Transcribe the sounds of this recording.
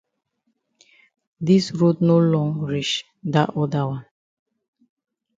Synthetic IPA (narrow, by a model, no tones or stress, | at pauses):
disɹotnolɔ̃ŋɹit͡ʃ | daʔɔdawãn